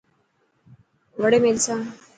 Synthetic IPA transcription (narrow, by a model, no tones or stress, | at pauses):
ʋəɽemelsã